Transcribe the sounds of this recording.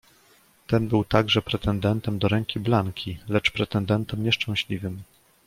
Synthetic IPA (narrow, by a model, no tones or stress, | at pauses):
t̪ɛnbɘwt̪aɡʐɛpɾɛt̪ɛnd̪ɛnt̪ɛmd̪ɔɾɛŋkʲiblaŋkʲʰilɛt͡ʂpɾɛt̪ɛnd̪ɛnt̪ɛmɲɛʂt͡ʂɛ̃w̃ɕlʲivɘm